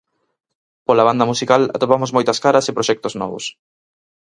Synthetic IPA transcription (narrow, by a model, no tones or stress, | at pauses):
polaβand̪ɐmusikala̰t̪opamʊzmojt̪ɐskaɾɐsɪpɾoʃɛk̚t̪ʊznɔ̰βʊ̰s